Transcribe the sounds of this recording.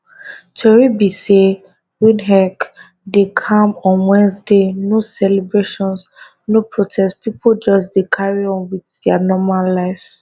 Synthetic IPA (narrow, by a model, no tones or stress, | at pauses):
t͡ʃʰɛɹibise | wĩnɦɛk | dekʰãmɔ̃nwɛ̃nsdenosɛlebɹeʃɔ̃ns | nopʰɹotʰɛstpipʰod͡ʒɔs̬dekʰaɹiɔ̃nwiθdɛanɔmalːaɪfs